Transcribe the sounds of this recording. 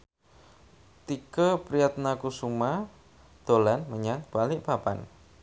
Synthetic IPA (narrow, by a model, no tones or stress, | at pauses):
t̪ikəpɾiat̪̚nakusuma | d̪̥olanməɲaŋb̥alɪʔb̥apa̰n